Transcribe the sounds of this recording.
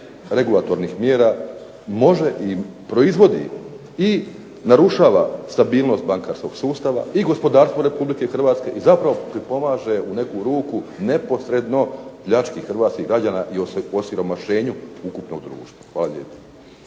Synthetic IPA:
ɾe̞ɡulˠat̪o̞ɾnixmjeːɾaː | mo̞ʒe̞ʔipɾo̞izʋo̞d̪ḭ | i | naɾuʃaːʋa̰st̪abiːlˠno̞st̪̚baŋkaɾsko̞ɡsuːst̪aʋa̰iɡo̞spo̞d̪aːɾst̪ʋo̞ɾe̞publike̞xr̩ʋaːt̪ske̞ʔizapɾaʋo̞pɾipo̞maːʒe̞une̞kuɾuːkune̞po̞sɾe̞d̪no̞pʎat͡ʃkixxr̩ʋaːt̪skiɡɾad͡ʑaːnaʔioosiɾo̞maʃe̞ːɲuukupno̞̰ɡ̚d̪ɾṵːʃt̪ʋaxʋaːlˠalʎʲḛːpe̥

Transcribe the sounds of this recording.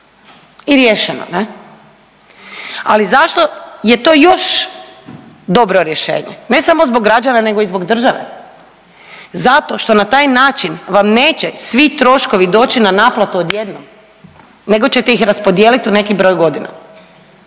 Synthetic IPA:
iɾjeʃeno̰ne | alizaʃt̪o̞je̞t̪o̞ːjo̞ʃ | d̪o̞bɾoɾjeʃḛːɲḛne̞samo̞zboɡːɾad͡ʒanane̞ɡo̞izbo̞ɡd̪r̩ʒaʋḛ | zat̪o̞ʃt̪o̞nat̪aːjnaːt͡ʃinʋamne̞ːt͡ɕesʋit̪ɾo̞ʃkoʋid̪o̞ːt͡ɕinanaːplˠat̪uod̪je̞d̪nom | ne̞ɡo̞t͡ɕe̞t̪eixɾaspod̪jeːlit̪une̞kibɾo̞ːjɡo̞d̪ina̰

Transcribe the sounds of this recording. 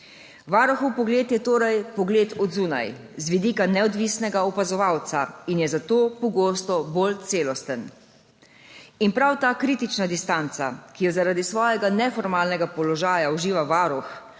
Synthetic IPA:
ʋaːɾɔxɔwpɔɡleːt̪jɛt̪oːɾajpɔɡleːt̪ɔd̪zuːna̰j | zʋid̪iːkanɛɔd̪ʋiːsnɛɡaɔpazɔʋawt̪sainjɛzat̪oːpɔɡoːst̪ɔbolt̪seːlɔst̪ən | inpɾawt̪aːkɾiːt̪it͡ʃnad̪ist̪ant̪sa̰kijɔzaɾaːd̪isʋɔːjɛɡanɛfɔɾmaːlnɛɡapɔlɔʒaːjauʒiːʋaʋaːɾɔx

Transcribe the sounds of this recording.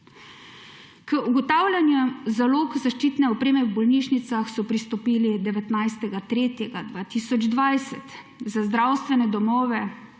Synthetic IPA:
kəuɡɔt̪aːwlʲanjuzaloːkzaʃt͡ʃiːt̪nɛɔpɾeːmɛwbɔlniːʃnit̪saxsɔpɾist̪ɔpiːlid̪ɛʋɛt̪najst̪ɛɡat̪ɾeːt̪jɛɡad̪ʋaːt̪isɔd͡ʒd̪ʋajsɛt̪ | zazd̪ɾaːwst̪ʋɛnɛd̪ɔmɔːʋɛ

